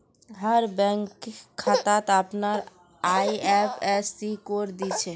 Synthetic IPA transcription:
ɦəɾbɛŋkkʰːat̪at̪apnaɾ | ajɛpʰɛsːikoɾd̪it͡ʃʰe

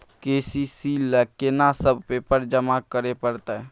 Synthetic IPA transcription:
keːsisilɛkːenasəb̚ʱpepəɾd͡ʒəmakəɾepəɾt̪aɦɛ

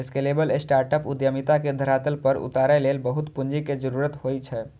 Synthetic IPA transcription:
eskelebəlesʈaɾʈəpud̪jəmit̪aked̪ʱəɾat̪əlpəɾṵt̪aɾɛlelbəɦut̪pund͡ʒiked͡ʒəɾuɾət̪ɦojt͡ʃʰɛ

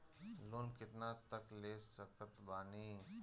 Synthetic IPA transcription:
loːnkɪʈ̪naːt̪əkleːsəkət̪baːniː

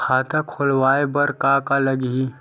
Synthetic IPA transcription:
kʰaːt̪ãkʰʊlwaːebɐɾkakalɐɡi

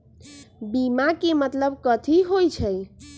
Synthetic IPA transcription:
bimakemət̪ləb̚kət̪ʰiɦojt͡ʃʰəj

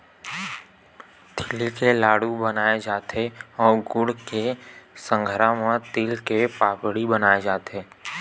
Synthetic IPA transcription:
t̪ʰɪlikelaːɽubənaːed͡ʒaːt̪eɔːɾɡʊɽkesə̃ŋɡʱəɾamãt̪iːlkepaːpɽibənaːed͡ʒaːt̪eː

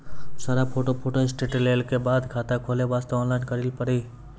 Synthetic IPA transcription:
saɾapʰoːʈopʰoːʈoɪsʈeːʈleːlkebaːd̪kʰaːt̪akʰoːleʋaːst̪eɔːnlaːɪnkəɾilpəɽiː

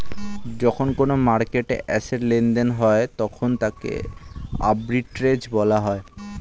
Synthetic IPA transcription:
d͡ʑɔkʰonkonomaɾkeʈḛʔɛseɾlend̪enɦɔet̪ɔkʰont̪akḛa̰bɾiʈɾed͡ʑbɔlaɦɔe

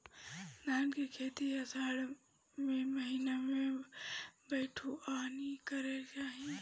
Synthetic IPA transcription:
naːnkekʰeːt̪iəsaːɽ | mẽməɦinamẽ | bəɪʈʰuʔaːnikəɾelt͡ʃaːɦĩ

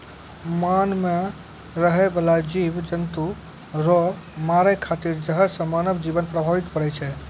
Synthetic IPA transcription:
manme | ɾəɦɛbelad͡ʒibd͡ʒənt̪u | ɾɔ | maɾəjkʰat̪iɾd͡ʒəɦəɾsə̃manəbd͡ʒibənpɾəbʱaʋit̪pəɽɛt͡ʃʰɛ

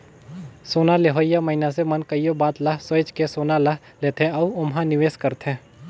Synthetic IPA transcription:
soːnaleɦoːjːamɐɦinasemɐnkəijobaːt̪laɦsəjt͡ʃkesoːnalaɦ | leːt̪ɦẽɔːʊmɦãnɪʋeːskəɾt̪ɦɛ̃ː

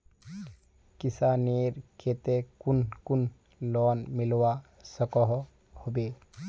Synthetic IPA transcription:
kɪsaneːɾkʰet̪ekunkun | lɔːnmɪlwa | səkɔɦ | hobeː

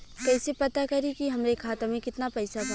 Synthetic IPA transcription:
kɛːsepɐt̪akɐɾikiɦɐmɾekʰaːt̪amẽkɪt̪napɛɪsabʱɐ

